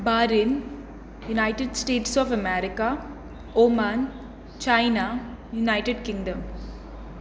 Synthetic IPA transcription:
baːɾin | junaɪʈeɖsʈeːʈsɔːfɐmɛɾɪka | oːmaːn | t͡ʃaɪna | junaɪʈeɖkɪ̃ŋɖɐ̃m

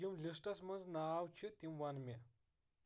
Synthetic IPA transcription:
imlʲisʈɐsmɐnznaaːwt͡ʃʰit̪imʋɐnme

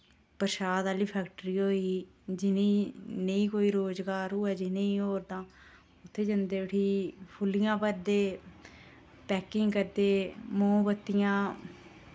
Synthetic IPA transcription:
pəɾʃaːd̪aːliːpʰɛːkʈəɾiːɦoːiː | d͡ʒɪnĩːnəĩːkoːiːɾoːzɡaːɾɦʊːɛːd͡ʒɪnẽĩːɦoːɾd̪ãː | ʊt̪ʰːeːd͡ʒənd̪eːəʈʰiːpʰʊlɪjãːpəɾd̪eː | pɛːkɪŋɡkəɾd̪eːmõːbət̪ːɪjãː

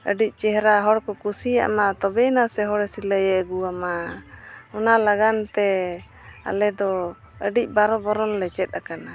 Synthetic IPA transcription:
ə̰ɖic̚ˀt͡ʃɛɦɾaɦɔɽkɔkusija̰ʔmat̪ɔbɛnasɛɦɔɽɛsiləjɛʔɡuama | ɔnalaɡant̪ɛ | a̰lɛd̪ɔ | əɖic̚ˀbaɾɔbɔɾɔnlɛt͡ʃɛt̪̚akana

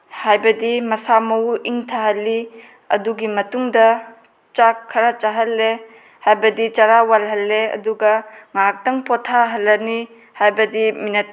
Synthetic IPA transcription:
hajbɐdimɐsamɐwiŋtʰaɦɐlːi | ɐ̰duɡimɐtuŋdɐ | t͡ʃakʰːɐɾat͡ʃaɦɐlːe | hajbɐdit͡ʃaɾawalɦɐlːeɐ̰duɡɐŋak̚tɐŋpɔtʰaɦɐlːɐni | hajbɐdiminɐt̚

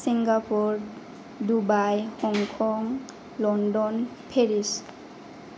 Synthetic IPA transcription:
siŋɡapuɾ | dubajhɔŋkʰɔŋ | lɔnɖɔn | pʰeɾis

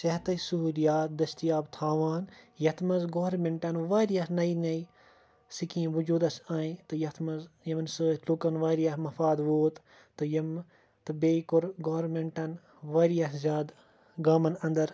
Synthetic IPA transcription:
sɐɦt̪ɐsuɦuːlijaːt̪̚d̪ɐst̪ijaːbt̪ʰaːʋaːnjɐt̪ʰmɐzɡoːɾmeɳʈɐnʋaːɾijɐhnɐjnɐj | sikĩːʋud͡ʒuːd̪ɐsaːĩt̪ɨjɐt̪ʰmɐzjɐmɐnsɨːlukɐnʋaːɾijɐhmɐfaːd̪ʋoːt̪ | t̪ɨjɐm | t̪ɨbeːkuɾɡoːɾmeɳʈɐn | ʋaːɾijɐszʲaːd̪ | ɡaːmɐnɐ̃nd̪ɐɾ

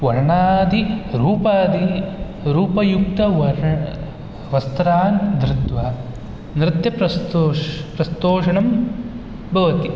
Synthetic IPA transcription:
ʋɐɾɳaːd̪iɾuːpaːd̪i | ɾuːpɐjuk̚t̪ɐʋɐ | ʋɐst̪ɾaːnd̪ɾɪt̪ʋa | nɾɪt̪jɐpɾɐ | pɾɐst̪oːʂɐɳɐm | bʱɐʋɐt̪i

